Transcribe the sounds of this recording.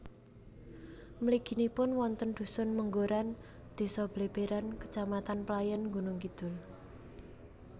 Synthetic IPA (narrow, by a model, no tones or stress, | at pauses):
məliɡ̥i̤nipʊnwɔnt̪ənd̪̥ṳsʊnməŋɡoɾan | d̪̥e̤sɔb̥leb̥eɾankə̥t͡ʃamat̪anplajənŋɡunʊŋkid̪̥ʊ̤l